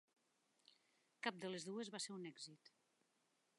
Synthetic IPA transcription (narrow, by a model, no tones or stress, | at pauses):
kap̚d̪əlezðuezβaseɾunɛɡzit̪